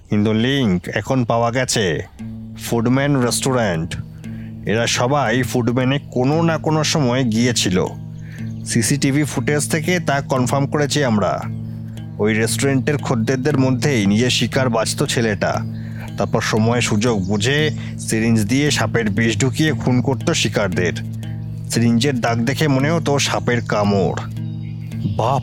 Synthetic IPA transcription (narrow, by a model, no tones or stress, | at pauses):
kint̪uliŋkɛkʰonpaoaɡɛt͡ɕʰe | fuɖmɛnɾesʈoɾaɳʈ | ḛɾaʃɔbajfuɖmɛnekononakonoʃɔmɔeɡijet͡ɕʰilo̰ | sisiʈibʱifuʈed͡ʑt̪ʰeket̪akɔnfʰaɾmkoɾet͡ɕʰiamɾa̰ | ojɾesʈoɾeɳʈeɾkʰod̪ːeɾd̪eɾmod̪ʱːenijeʃikaɾbat͡ɕʰt̪ot͡ɕʰeleʈa̰ | t̪aɾpɔɾʃɔmɔeʃud͡ʑoɡ̚bud͡ʑʱe | siɾind͡ʑd̪ijeʃapeɾbiʃɖʱukijekʰunkoɾt̪oʃikaɾd̪eɾ | sɾind͡ʑeɾd̪aɡ̚d̪ekʰemoneɦot̪oʃapeɾkamo̰ɾ | ba